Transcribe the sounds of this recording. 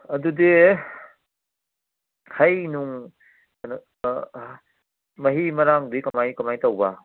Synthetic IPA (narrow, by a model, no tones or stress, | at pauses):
ɐdudi | hʰɐjnuŋ | n | mɐɦimɐɾaŋdikɐmajkɐmajtawba